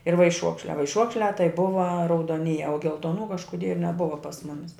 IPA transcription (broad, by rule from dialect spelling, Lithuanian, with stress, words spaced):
ɪr ʋɐɪˈʃuɔkʃʲlʲæː ʋɐɪˈʃuɔkʃʲlʲæː tɐɪ ˈbʊʋɐ rɐʊdoːˈnʲiːjɛ oː ɡʲɛlˠtoːˈnuː kɐʃkʊˈdʲiɛ nʲɛˈbʊʋɐ pɐs ˈmʊmʲɪs